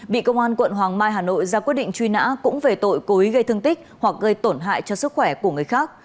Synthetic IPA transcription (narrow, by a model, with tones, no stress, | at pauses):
ɓḭ˧˨kə˧wŋ͡mʔaː˧nkwə̰˧˨nɦwaː˨˩ŋmaː˧jɦaː˨˩no̰˧˨jzaː˧kwi˦˥t̚ɗḭ̈˧˨ŋ̟t͡ɕwi˧na̰ː˧˥kʊ̰˧˥ŋ͡mve˨˩t̪o̰˧˨jko˨˦i˨˦ɣə˧jt̪ʰɨ˧əŋt̪ï˦˥k̟̚hwa˨˩k̚ɣə˧jt̪o˧˩nɦa̰ː˧˨jt͡ɕɔ˧sɨ˦˥k̚xwɛ˧˩ku˧˩əŋɨ˨˩əjxaː˦˥k̚